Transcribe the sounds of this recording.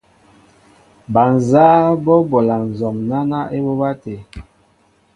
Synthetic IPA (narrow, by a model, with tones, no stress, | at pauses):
ba˨n˨zaː˦bɔ˦bɔ˨la˨n˨zɔ˨mna˦na˦ʔe˦bɔ˦ba˦te˨